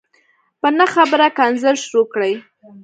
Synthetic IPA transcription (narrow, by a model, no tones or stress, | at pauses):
pənaxabəɾakɑnzəɾʃɾokɽəj